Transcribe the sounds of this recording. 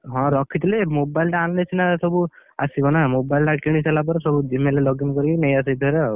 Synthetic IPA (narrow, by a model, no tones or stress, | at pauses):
ɦɔ̃ɾɔkʰit̪ilemobajlʈaanːet͡ʃʰinasɔbuasibɔnamobajlʈakiɽ̃iselap̬ɔɾsɔbud͡ʒimelelɔɡinkɔɾinejasajd̪ʰʱɔɾe